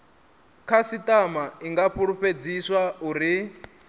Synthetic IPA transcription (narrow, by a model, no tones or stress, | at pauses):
kʰasitʼamaiŋɡaɸuɺuɸed͡ziswauɾi